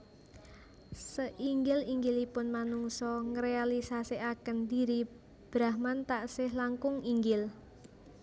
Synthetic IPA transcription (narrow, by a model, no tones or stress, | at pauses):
səʔiŋɡɪliŋɡɪlipʊnmanuŋsɔŋɾealisasiakənd̪iɾi | b̥ɾahmant̪aʔsɪhlaŋkʊŋiŋɡɪl